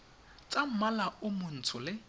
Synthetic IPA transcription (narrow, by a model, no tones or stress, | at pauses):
t͡sʼam̩malaʊmʊn̩t͡sʰʊlɪ